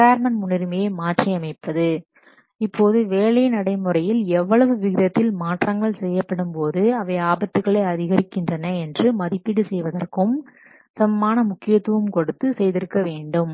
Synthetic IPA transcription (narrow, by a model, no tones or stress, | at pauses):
paːɾmɐnmʊɳɪɾɯmeːmaːʈrijɐmɐɪpːɐðɯ | ɪpʰːoːðɯʋeːɭɐjɪnɐɽɐɪmɯrɐjɪlɛʋːɐɭɐʋɯʋɪɣɪɾɐt̪ːɪlmaːʈrɐŋɡɐɭsɛjːɐpːɐɽɯmpoːðɯɐʋɐɪaːbɐt̪ːɯɣɐɭɐɪɐðɪɣɐɾɪkːɪndrɐnɐɛndrɯmɐðɪpːɪɽɯsɛjʋɐðɐrkɯm | sɐmɐmaːnɐmʊkːɪjɐt̪ːɯʋɯmkɔɽɯt̪ːɯsɛjðɪɾɯkːɐʋeːɳɖɯm